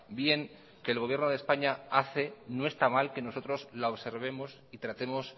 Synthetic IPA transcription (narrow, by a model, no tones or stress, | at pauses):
bje̞ŋ | ke̞ːlɣ̞o̞β̞je̞ɾnoð̞espaɲaaθe̞noest̪amalke̞no̞so̞t̪ɾo̞zlaoβse̞ɾβ̞e̞mo̞s | it̪ɾat̪e̞mo̞s